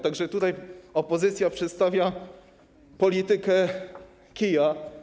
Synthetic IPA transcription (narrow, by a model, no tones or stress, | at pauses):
t̪aɡʐɛt̪ut̪ajɔpɔzɘt̪sʲjapʂɛt̪st̪avʲja | pɔlʲit̪ɘkɛ | kʲija